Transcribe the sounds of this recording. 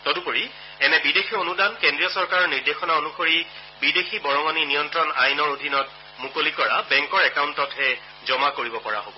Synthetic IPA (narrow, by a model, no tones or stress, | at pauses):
tɔdupoɹi | ɛnɛbidexʰionudankendɹijɔsɔɹkaɹɔɹniɹdexɔnaonuxoɹi | bidexʰibɔɹɔŋɔninijɔntɹɔnajnɔɹodʱinɔt̚ | mukolikɔɹabɛŋkɔɹɛkawntɔtɦɛ | zɔmakoɹibɔpɔɹa̰ɦobɔ